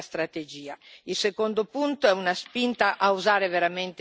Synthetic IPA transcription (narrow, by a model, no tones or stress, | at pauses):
st̪ɾat̪ed͡ʒiːailsekond̪opunt̪oɛunaspint̪aʔauzaːɾeveɾament̪